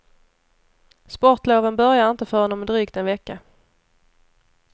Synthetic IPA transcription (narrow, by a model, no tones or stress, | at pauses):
spɔʈloːvənbœɾjaɪnt̪əfœɾhɔnːɔmɛd̪ɾiːkt̪ɛnvɛkːa